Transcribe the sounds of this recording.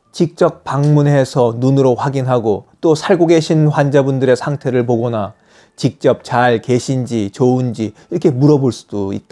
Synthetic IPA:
t͡ɕik̚t͡ɕ͈ʌk̚paŋmune̞sʰʌnunɯɾoɸwaɡinɦaɡot͈osʰaɭɡoɡe̞ɕʰinɸwand͡ʑabundɯɾe̞sʰaŋtʰe̞ɾɯɭp̬oɡʌna | t͡ɕik̚t͡ɕ͈ʌp̚t͡ɕaɭke̞ɕʰind͡ʑit͡ɕound͡ʑiiɾʌkʰe̞muɾʌboɭs͈u̥d̥oḭt̚t͈a

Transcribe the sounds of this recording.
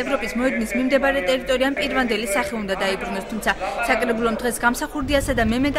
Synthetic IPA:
ɛvɾɔpʼismɔɛd̪nismimd̪ɛbaɾɛt̪ʼɛɾit̪ʼɔɾiampʼiɾvand̪ɛlisaχɛund̪ad̪aibɾunɔst̪ʰumt̪sʰasakʼɾɛbulˠɔmd̪̥ʁɛsɡamsaχuɾd̪iasad̪amɛmɛt̪ʼ

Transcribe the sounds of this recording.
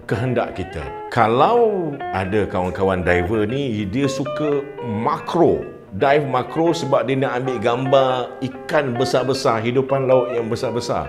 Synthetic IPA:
kəɦənda̰ʔkit̪ə̰ | kalawadakawankawandajvənidiəsukəmakɾo | dajfmakɾosəbap̚diənaʔambɪʔɡambaikanbəsabəsarɦidupanlaʊʔ̪̚jaŋbəsarbəsa̰r

